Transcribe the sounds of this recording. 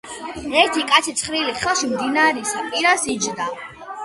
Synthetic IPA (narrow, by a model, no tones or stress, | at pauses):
ɛɾt̪ʰikʼat̪sʰit̪sʰχɾiliχɛlˠʃimd̪inaɾisapʼiɾasid͡ʒd̪a